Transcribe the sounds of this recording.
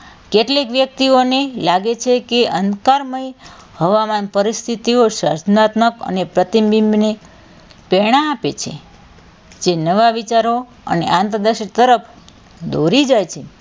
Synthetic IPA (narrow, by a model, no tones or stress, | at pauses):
keʈlekʋjək̚t̪ionelaɡet͡ʃʰekeʔənkaɾməj | həʋamanpəɾist̪ʰit̪ioʃə̰ɾd͡ʒnat̪nəkə̰nepɾət̪imbimbne | pɛɽ̃aːpet͡ʃʰḛ | d͡ʒenəʋaʋit͡ʃaɾo | ə̰nḛʔãnt̪ɾəd̪əʃit̪əɾəpʰ | d̪oɾid͡ʒajt͡ʃʰe